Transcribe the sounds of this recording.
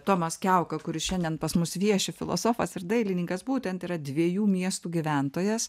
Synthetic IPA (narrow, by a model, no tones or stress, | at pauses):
t̪oːmɐskʲɛʊkɐkʊɾʲɪsʃʲɛnd̪ʲɛnpɐsmʊsʋʲiɛʃʲɪfʲɪlˠo̰soːfɐsɪɾd̪ɐɪlʲɪnʲɪŋkɐsbuːt̪ʲɛnt̪iːɾɐd̪ʲʋʲiɛjuːmʲiɛst̪uːɡʲiʋʲæˑnt̪oːjɛs